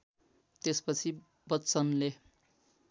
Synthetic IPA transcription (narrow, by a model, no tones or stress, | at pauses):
t̪espʌt͡sʰi | bʌt͡sʌnle